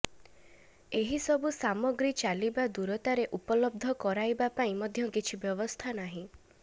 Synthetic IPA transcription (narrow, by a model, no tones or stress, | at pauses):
eɦisɔbusamɔɡɾit͡ʃalibad̪uɾɔt̪aɾeʔupɔlɔb̚d̪ʱɔkɔɾajbapaĩmɔd̪ʱjɔkit͡ʃʰibjɔβɔst̪ʰanaɦĩ